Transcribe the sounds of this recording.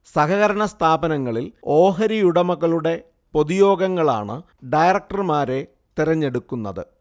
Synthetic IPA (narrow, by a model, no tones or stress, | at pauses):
sɐkɐɣɐɾɐɳɐst̪ʰaːbɐnɐŋːɐɭilo̞ːɦɐɾijuɽɐmuɣɐɭuɽe̞ | po̞ðijo̞ːɡɐŋːɐɭa̰ːɳɨ | ɖɐjrɐk̚ʈɐrmaːɾe̞ | t̪iɾɐɲːe̞ɽukːunːɐðɨ̰